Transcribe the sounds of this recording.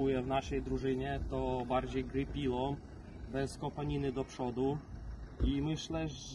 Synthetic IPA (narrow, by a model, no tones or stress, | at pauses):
ujɛvn̪aʂɛjd̪ɾuʐɘɲɛt̪ɔbaɾd͡ʑejɡɾɘpʲiwɔ | bɛskɔpaɲinɘd̪ɔpʂɔd̪u | imɘɕlɛ